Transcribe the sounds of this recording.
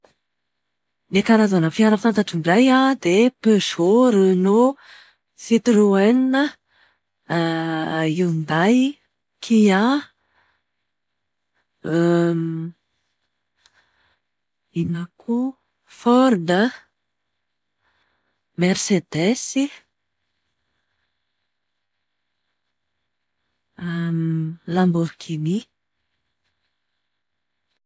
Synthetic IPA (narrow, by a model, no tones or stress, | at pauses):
nekaɾazanəfiaɾəfant̪aʈ͡ʂiɳɖ͡ʐajad̪epøʃoɾino | sit̪uruɛninə | iwnd̪aj | kʰia | inakʰu | fɔɾd̪ə | mersed̪esi | lambokʰimi